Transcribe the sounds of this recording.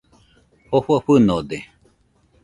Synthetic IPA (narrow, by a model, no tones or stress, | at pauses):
hoɸuaɸɨnod̪e